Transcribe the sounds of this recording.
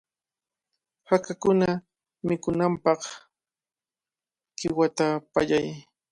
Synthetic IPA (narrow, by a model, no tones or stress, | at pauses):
hakakʊna | mɪkʊnampɑχ | ɢ̥ɪwat̪apaʎaj